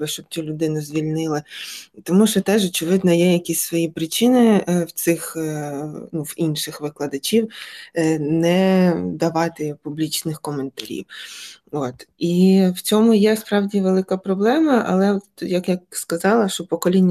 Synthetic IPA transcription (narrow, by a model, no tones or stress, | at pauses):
ɪʃt͡ʃɔb̥̚t͡sʲulʲʊd̪ɪnʊzʲʋʲilʲnɪlˠɪt̪ɔmuʃt͡ʃɔt̪ɛʒɔt͡ʃɪʋɪd̪nɔjɛjɐkʲisʲsʋɔjipɾɪt͡ʃɪnɪwt̪sɪx | nuwinʃɪxʋɪklˠɐd̪ɐt͡ʃʲiw | nɛd̪ɐʋɑt̪ɪpublʲit͡ʃnɪxkɔment̪ɐɾʲḭwot̪iwt͡sʲɔmʊjɛspɾɑwdʲiʋelˠɪkɐpɾɔblˠɛmɐʔɐ̰lˠɛɔt̪jɐkjakskɐzɑlˠɐʃt͡ʃɔpɔkɔlʲinʲː